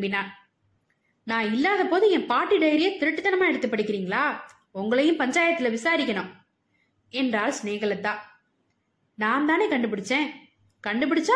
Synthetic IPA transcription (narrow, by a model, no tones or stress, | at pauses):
bɪnːaː | nãːɪlːaːðɐpoːðɯɛ̃ːpaːʈːɪɽɐjɐɾɪjɐt̪ɪɾɯʈːɯt̪ːɐnɐmaːɛɽɯt̪ːɯpːɐɽɪkʲːɪɾiːŋɡɐɭaː | ʊŋɡɐɭɐjʊ̃mpɐɲd͡ʒaːjɐt̪ːɪlɐʋɪsaːɾɪkːɐɳʊ̃ | ɛndraːlsneːɣɐɭɐt̪ːãː | naːnt̪aːneːkɐɳɖɯpɪɽɯt͡ʃːẽː | kɐɳɖɯp̬ɐɽɯt͡ʃːa